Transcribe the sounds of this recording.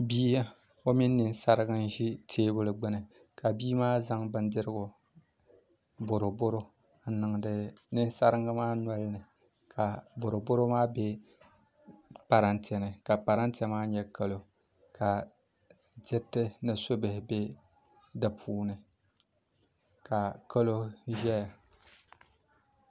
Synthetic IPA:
biː˦a˦ | o˦mi˦nː˦ɨ˨nsa˦ɾɨ˦ɡɨ˦n˦ʒi˦tʰeː˦bʊ˦lɨ˨ɡ͡bɨ˦nɨ˨ | ka˨biː˦maː˦za˦ŋbɨ˦ndɪ˦ɾɨ˦ɡʊ˨ | bo˨ɾo˨bo˦ɾo˦ | n̩˦nɨ˨ŋdɨ˨nɨ˦n˦sa˦ɾɨ˦ŋa˦maː˦nʷa˦lnɨ˨ | kʰa˨bo˨ɾo˨bo˦ɾo˦maː˦be˦ | pa˨ɾa˨ntɛ˨nɨ˨ka˨pa˨ɾa˦ntɛ˦maː˦ɲɛ˦ka˦lo˨ | ka˨ | dɪ˦tːɨ˦nɨ˨so˦bɪ˨hɪ˨be˦ | dɨ˨pʰuː˦nɨ˨ | ka˨ka˦lo˦ʒɛ˦ja˨

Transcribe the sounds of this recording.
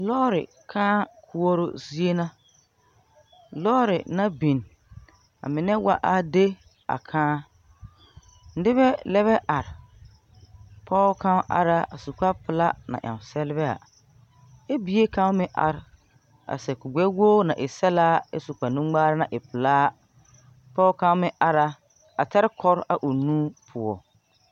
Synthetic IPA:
lɔː˦ɾɪ̰˨ | kʰãː˦kʰu˦o˦ɾo̰˦zi˦e˦na˦ | lɔː˦ɾɪ˨na˦bi˨n | a̰˨mɪ˨nɛ˦wa̰˦ʔa˨de˦ | a̰˨kʰãː˦ | n̩˦dɪ˦βɛ˦lɛ˦βɛ˦ʔa˨ɾɪ˨ | pʰɔː˦kã˦ʔa̰˨ɾa˦a˨su˨k͡pa˦pɪ˨la˦na̰˨ʔa̰˨sɛ˦lɪ˦bɛ˦a̰˨ | ɛ˦bi˨˦e˦kã˦mɪ̃˦ʔa̰˨ɾ | a̰˨sɛ˨kʊ˨ɡ͡bɛ˦wo˦nã̰˨ʔɪ˨sɛ˦la˦ɪ̰˦su˨k͡pa˨nũ˦ɡ͡baː˦ɾɪ˦nã˨ʔɪ˨pɪ˨laː˦ | pɔː˦kã˦mɪ̃˦ʔa˨ɾa˦ | a˨ta˦ɾɪ˦kʰɔ˦ɾa˨ʔu˨nũː˦pʰʊ˨ɔ̰˨

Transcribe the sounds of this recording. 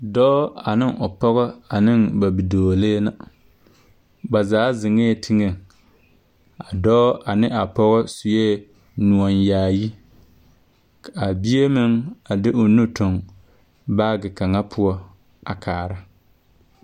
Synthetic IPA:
dɔː˦a˨nɪ˦ŋʊ˨pɔ˦ɣɔ˦a˨nɪ˦ŋba˨bi˨doː˨leː˦na˨ | ba˨zaː˨˦zɪ˨ŋe˦˨tʰi˦ŋe˨ŋ | a˨dɔː˦a˨nɪ˦a˨pɔ˦ɣɔ˦sʊ˨jeː˦ | nu˨ɔ˨njaː˨ji˦ | ka˨a˨bi˦e˦mɪ˦ŋa˨dɪ˦ʔʊ˨nu˦tʊ˨ŋ | baː˦ɡɪ˨ka˨ŋa˦pʰʊ˦ɔ˦ | a̰˨kʰaː˨ɾa˦

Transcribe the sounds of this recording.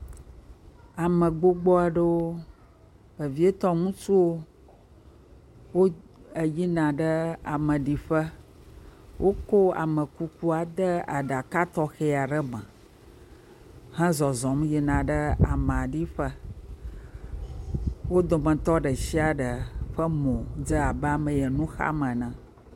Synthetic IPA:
a˨mə̃˨ɡ͡bo˦ɡ͡bɔ˦a˨ɖə˦wo˦ | bə˨vi˦e˦t̪ɔ˦ŋũ˦t͡ʃu˦wo˦ | wo˦ | ə˨ji˦nã˨ɖə˦a̰˨mə̃˨ɖi˨ɸə˦ | wʔo˦ko˦a̰˨mə̃˨ku˦ku˦a˨d̪ə˦a̰˨ɖa˨ka˦t̪ɔ˦xɛ˦a˨ɖə˦mə̰̃˨ | hɛ̃˦zɔ˨zɔ̃˨mji˦nã˨ɖə˦a˨mə̃˨a˨ɖi˦ɸə˦ | wo˦d̪o˨mə̃˨t̪ɔ˦ɖə˨si˦a˨ɖə˨ɸə˦mɔ̃˨d͡zə˦a˨ba˨mə̃˨jə˨nũ˦xa̰˦mə̃˨nã˨

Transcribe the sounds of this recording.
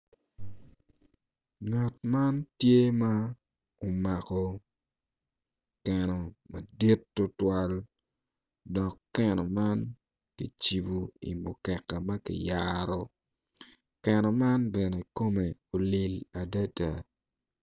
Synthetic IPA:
ŋa˨t̚ma˦ntje˦ma˦ | o˨ma˨kɔ˨ | kɛ˨nɔ˨mɐ˨di˦tːo˦twa˦l | dɔ˨kːɛ˦nɔ˨ma˦n | kḭ˨t͡ʃi˨bu˨ḭ˨mo̰˨kɛ˨kːa˨mɐ˦kḭ˨jaɾɔ˦ | kɛ˨nɔ˨ma˦nbɛ˨ne˨ko˦me˨o˨li˨la˨da˦ta˨

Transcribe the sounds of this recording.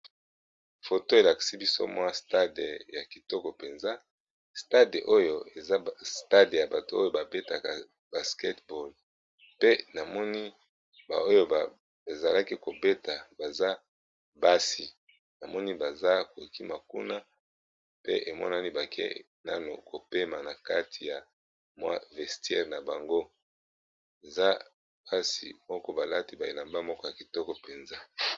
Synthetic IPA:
fo˨to˦e˨la˨ki̥˨si˦bi˦so̰˦mwa˦sta˦de˨ja˨ki˨tɔ˦kɔ˨pe˨nza˦ | sta˦de˨ʔo˦jo˨e˨a˦sta˦dja˨ba˨to˨o˦jo˦ba˨be˦ta˨ka˨ | b̥a˨ske˦tbo˨l | pe˦na˨mɔ˦ni˦ | ba̰˨o˦jo˦˨ | e˨za˨la˦ki˦ko˨be˦ta˨ba˨za˦ | ba˦si˨ | na˨mɔ˦ni˦ba˨za˦ko˨i˨ki˦ma˨kṵ˦na˦ | pḛ˦ʔe˨mɔ̰˦na˦ni˦ba˨kʰḛ˦ | na̰˦no̰˨ko˨pe˦ma˨na˨ka˦tʰi˨ja˨ | mwa̰˦vɛ˨stjɛ̰˦ʁna˨ba˨ŋɡo˦ | e˨za˦ | b̥a˦sḭ˨mɔ˦kɔ˦ba˨la˦ti˦ba˨e˨la˨mba˦mɔ˦kɔ˦ja˨ki˨tɔ˦kɔ˦pe˨nza˦

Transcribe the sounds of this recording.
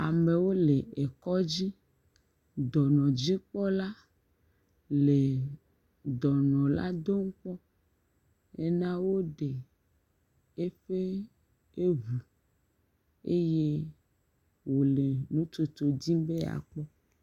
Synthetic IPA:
a˨me˨wo˦le˨e˨kɔ˦d͡ʑi˦ | d̪ɔ˨nɔ̃˨d͡ʑi˦k͡pɔ˦la˦ | le˨ | d̪ɔ˨nɔ̃˨la̰˦d̪o˦ŋ̩˦k͡pɔ˦ | e˦nã˦wo˦ɖe˨ | e˦ɸe˦ | e˦vu˨ | e˦je˦ | wo˨le˨nũ˦t͡ʃo˨t̪o˨dĩ˦be˦a̰˨k͡pɔ˦

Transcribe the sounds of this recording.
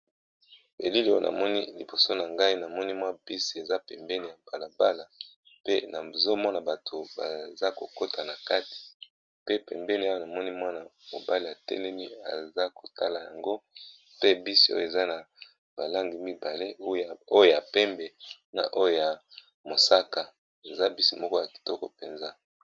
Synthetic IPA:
bḛ˨li˦li˨˦o̰˦˨na̰˨mɔ˦ni˦li˨bo˨so˦na˨ŋɡa˦i˦na˨mɔ˦ni˦mwa˦b̥i˦si˨e˨za˦pɛ˨mbɛ˦ni˨ja˨b̥a˨la˨ba˦la˨ | pe˦na˨zo˦mɔ˦na˨ba˨tʰo˨ba̰˨za˦ko˨ko˦tʰa˨na˨ka˦ti̥˨ | pe˦pɛ̰˨mbɛ˦ni˨a˦o˦na˨mɔ˦ni˦mwa˦na˨mo̰˨ba˦li˨a˨tɛ̰˦lɛ˦mi˦a̰˨za˦ko˨ta̰˦la˨ja̰˨ŋɡo˦ | pe˦bi˦si˨˦o̰˦jo˨e˨za˦na˨ | ba˨la˦ŋɡi˨mi˦ba˨le˦o˦˨o˦jo˨ja˨pɛ˦mbɛ˨ | na̰˨ʔo˦jo˨ja˨ | mo˨sa˦ka˨ | e˨za˦bi˦si˨mɔ˦kɔ˦ja˨ki̥˨tɔ˦kɔ˦pe˨nza˦

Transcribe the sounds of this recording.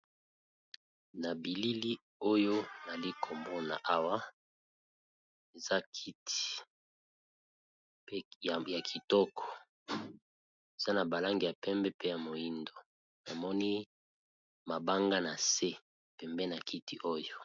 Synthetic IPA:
na˨bi˨li˦li˦ | o˦jo˦na˨li˦kʰo˨mbo˦na̰˨ʔa˦wa˦ | e˨za˦ki˦ti̥˨˦˨ | ja˨kʰi˨tɔ˦kʰɔ̥˨ | e˨z̥a˦na˨ba˨la˦ŋɡi˨ja˨pɛ˦mbɛ˦pe˦ja˨mo˨ji˦ndo˨ | na˨mɔ˦ni˦ | ma˨ba˦ŋɡa˦na˨se˦ | pɛ˨mbɛ˦na˨ki˦ti˦ʔo˦jo˦

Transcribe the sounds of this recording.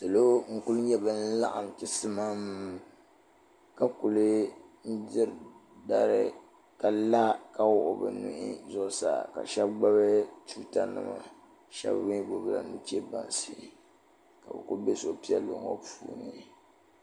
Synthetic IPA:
sɨ˨lo˦ŋ̩˦ku˦lɲɛ˦bɨ˦n̩˦la̰˦ʔa˨mtɨ˨sɨ˦ma˦m˦ | ka˦ku˨lɨ˦n̩˦dɪ˦ɾda˦˨ɾɨ˦˨ | ka˨la˦ka˦wʊ˦˨ʔʊ˦˨bɨ̰˨nṵ˦ʔi˦zʊ˦ʔsa̰ː˨ka̰˨ʃɛ˦b̚ɡ͡ba˦βɨ˦tu˦ta˦nɨ̰˨ma̰˨ | ʃɛ̰˦bbɪ˦ɡo˦ɣla̰˨nu˦t͡ʃɛ˦ba̰˨n˨sɨ˦ | ka˨bɛ̰˨ku˦be˦so˨˦pi˦ɛ˦lːo˨ŋo˦puː˦nɨ˨

